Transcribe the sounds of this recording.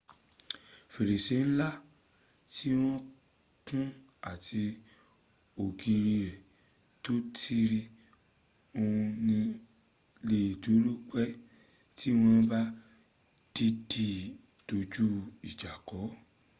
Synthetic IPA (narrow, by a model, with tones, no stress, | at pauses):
fe˨ɾe˨se˨˦n̩˦la˦ | ti˦w̃ɔ̃˦ | kũ˦ | a˦˨ti˧ | o˨ɡi˧ɾi˧ɾɛ˨ | to˦tʰi˦ɾi˦ | o˧ũ˧nĩ˧ | le˦˨do˨˦ɾu˦k͡pɛ˦ | ti˦w̃ɔ̃˦ba˦ | d̥i˦di˦˨ | d̥o˨˧d͡ʒu˦i˨d͡ʒa˨kɔ˨˦